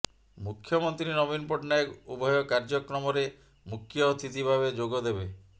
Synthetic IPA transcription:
mukʰːjɔmɔnt̪ɾinɔbinpɔʈnajɔkubʱɔjɔkaɾd͡ʒɔkɾɔmɔɾe | mukʰːjɔt̪ʰit̪ibʱabed͡ʒoɡɔd̪ebe

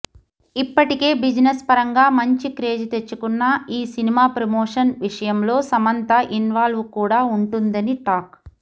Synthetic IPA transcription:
ipːɐʈike̞ːbid͡ʒinespɐɾɐŋɡaːmɐɲt͡ʃikɾe̞ːd͡ʒit̪e̞t͡ʃːukunːɐiːsinimaːpɾɐmoːʂɐnʋiʂɐjɐmlo̞ːsɐmɐnt̪ɐʔinʋaːlʋukuːɽaːuɳʈund̪ɐniʈaːk

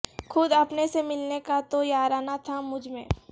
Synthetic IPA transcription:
xʰʊd̪ɐpnesemɪlnekat̪ojaːɾaːnat̪ʰamʊd͡ʒʱmḛ̃ː

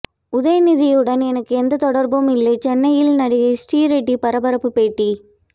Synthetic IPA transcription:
ʊðɐjɐnɪðɪjɯɽɐnɛnɐkːɯɛnd̪ɐt̪ɔɽɐɾbɯmɪlːɐɪt͡ʃɛnːɐjɪlnɐɽɪɣɐɪsʈiːɾeʈːipɐɾɐbɐɾɐpːɯpeːʈːi

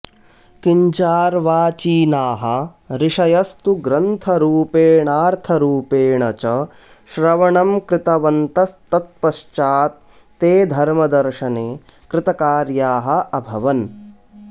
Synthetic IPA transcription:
kiɲt͡ʃaːɾʋaːt͡ʃiːnaːɦɐ̆ | ɾɪʂɐjɐst̪uɡɾɐnt̪ʰɐɾuːpeːɳaːɾt̪ʰɐɾuːpeːɳɐt͡ʃɐ | ʃɾɐʋɐɳɐmkɾɪt̪ɐʋɐnt̪ɐst̪ɐt̪̚pɐʃt͡ʃaːt̪̚ː | eːd̪ʱɐɾmɐd̪ɐɾʂɐneːkɾɪt̪ɐkaːɾjaːɦɐ̆ɐbʱɐʋɐn

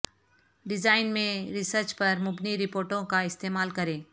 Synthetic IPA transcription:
ɖɪzaːɪnmẽɾɪsəɾt͡ʃpɐɾmʊbniɾɪpoːɾʈõkaɪst̪eːmaːlkɐɾẽː

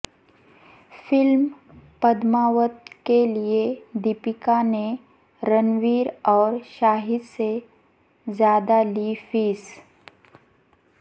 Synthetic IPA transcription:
fɪlm | pəd̪maːʋət̪̚kelied̪ipɪkane | ɾənʋiːɾɔːɾʃaːɦɪd̪se | zjaːd̪alifiːs

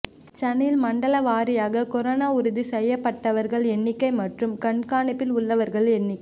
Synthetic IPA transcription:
t͡ʃɐnɪlmɐɳɖɐlɐʋaːɾɪjaːɣɐkɔɾoːnaːʊɾɯðisɛjːɐpːɐʈːɐʋɐɾɣɐɭɛnːɪkːɐɪmɐʈrɯmkɐɳkaːnɪpːɪlʊɭːɐʋɐɾɣɐɭɛnːɪkːɐ

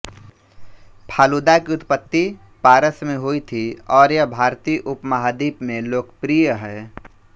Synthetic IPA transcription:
pʰaːlud̪akiʊt̪pət̪ːi | paːɾəsmẽɦoit̪ʰiɔːɾjəbʱaːɾt̪iʔʊpmaɦad̪iːpmẽloːkpɾijəɦɛː

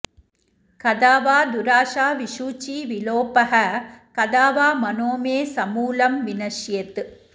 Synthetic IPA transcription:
kɐd̪aːʋaːd̪ʊɾaːʂaːʋiʂuːt͡ʃːiʋɪloːpɐɦɐkɐðaːʋaːmɐnoːmeːsɐmuːlɐmʋɪnɐʃjɐt̪

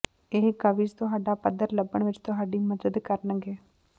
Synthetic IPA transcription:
eɦkəʋɪd͡ʒt̪ʊɦaːɖaːpəd̪ːəɾləbəɳʋɪt͡ʃt̪ʊɦaːɖiːməzəd̪kəɾnəɡeː

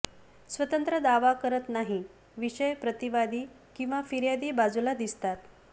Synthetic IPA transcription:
sʋət̪ənt̪ɾəd̪aʋakəɾət̪naɦi | ʋiɕəjpɾət̪iʋad̪iː | kĩw̃ʋafiɾjad̪iːbad͡zulad̪ist̪at̪

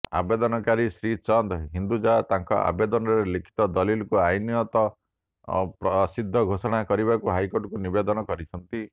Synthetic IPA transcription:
a̰bed̪ɔnɔkaɾisɾit͡ʃɔnd̪ɦind̪ud͡ʒat̪aŋkɔ̰a̰bed̪ɔnɔɾelikʰi̥t̪ɔd̪ɔlilkuajnjɔt̪ɔ | pɾɔsid̪ʱːɔɡʱosɔɽ̃akɔɾibakuɦajkoʈkunibed̪ɔnɔkɔɾit͡ʃʰɔnt̪i

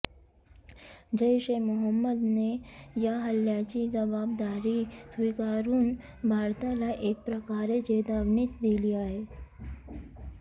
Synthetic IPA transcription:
d͡ʑəjɕemuɦəmːəd̪nejaɦəljat͡ɕiːd͡zəbab̚d̪aɾiːsʋikaɾuːn | bʱaɾt̪alaʔek̚pɾəkaɾed͡ʑed̪aʋɳiːt͡sd̪iliːaɦe

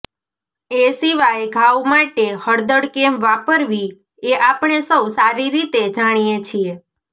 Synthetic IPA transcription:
esiʋajɡʱawmaʈehəɽd̪əɽkemʋapəɾʋi | eʔapɳ̃esəwsaɾiɾit̪ed͡ʒaɽ̃ijet͡ʃʰie

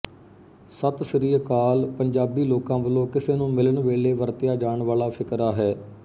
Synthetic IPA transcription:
sət̪səɾiːkaːlpəɲd͡ʒaːbiːloːkãːʋəlõːkɪseːnũːmɪləɳʋeːleːʋəɾt̪ɪjaːd͡ʒaːɳʋaːlaːpʰɪkɾaːɦɛː

